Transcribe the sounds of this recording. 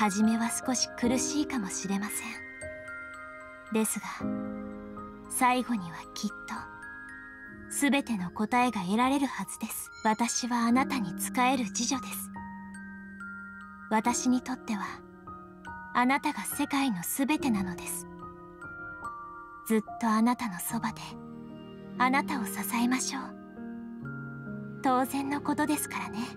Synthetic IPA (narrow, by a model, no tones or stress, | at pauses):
haʑime̞βasɨ̥ko̞ɕi̥kɯ̟ɾɯ̟ɕiːkamo̞ɕiɾe̞masẽ̞ɴ | d̪e̞sɨɡa | saiɡo̞ɲ̟iβakʲʰit̪ːo̞ | sɨbe̞t̪e̞no̞ko̞t̪ae̞ɡaeɾaɾe̞ɾɯ̟hazɨd̪e̞sɨ̥βat̪aɕiβaːnat̪aɲ̟it͡sɨ̥kae̞ɾɯ̟d͡ʑiʑo̞d̪e̞sɨ̥ | βat̪aɕiɲ̟it̪o̞t̪ːe̞βa | anat̪aɡase̞kaino̞sɨbe̞t̪e̞nano̞d̪e̞sɨ̥ | d͡z̥ɨt̪ːo̞anat̪ano̞so̞bad̪e̞ | anat̪ao̞sasaemaɕo̞ː | t̪o̞ːzẽ̞nːo̞ko̞t̪o̞d̪e̞sɨ̥kaɾane̞